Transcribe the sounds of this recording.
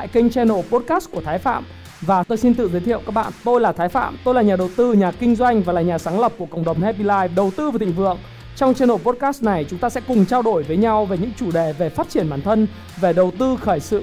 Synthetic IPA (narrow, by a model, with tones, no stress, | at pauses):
ɗa̰ː˧˨jkï˧ŋ̟t͡ɕɛ˧no˨˩po˦˥t̚kaː˦˥st̚ku˧˩ət̪ʰːjfa̰ː˧˨m | vaː˨˩t̪o˧jsi˧nt̪ɨ̰˧˨zəː˨˦t̪ʰḭ˧˨ə˨wkaː˦˥k̚ɓa̰ː˧˨nt̪o˧jlaː˨˩t̪ʰaː˨˦jfa̰ː˧˨mt̪o˧jlaː˨˩ɲaː˨˩ɗə˨˩wt̪ɨ˧ɲaː˨˩kï˧ŋ̟zwa˧jŋ̟vaː˨˩laː˨˩ɲaː˨˩saː˨˦ŋlə˨˩p̚ku˧˩əkə̰˧˨wŋ͡mɗə˨˩wŋ͡mhɛ˧pi˧laː˧jɗə˨˩wt̪ɨ˧vaː˨˩˨ï˨ŋvɨ̰˧˨əŋ | t͡ɕɔ˧wŋ͡mt͡ɕɛ˧no˨˩po˦˥t̚kaː˦˥st̚na˨˩jt͡ɕʊ˨˦ŋ͡mt̪aː˧sɛ̰˧˥kʊ˨˩ŋ͡mt͡ɕaː˧wɗo˧˩jvəː˨˦jɲa˧wve˨˩ɲɨ̰˧˥ŋt͡ɕu˧˩ɗe˨˩ve˨˩faː˦˥t̚t͡ɕi˧˩ənɓaː˧˩nt̪ʰə˧n | ve˨˩ɗə˨˩wt̪ɨ˧xəː˧˩jsɨ̰˧˨